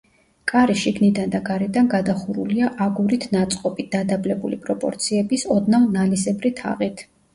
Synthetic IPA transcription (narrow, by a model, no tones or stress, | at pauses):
kʼaɾiʃiɡnid̪and̪aɡaɾɛd̪anɡad̪aχuɾṵliaʔaɡuɾit̪ʰnat̪sʼqʼɔpʼid̪̥ad̪ablɛbulḭpʼɾɔpʼɔ̰ɾt̪sʰiɛbisɔd̪navnalisɛbɾit̪ʰa̰ʁit̪ʰ